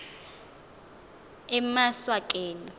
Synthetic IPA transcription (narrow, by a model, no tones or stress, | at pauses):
ɛmaswakʼeːni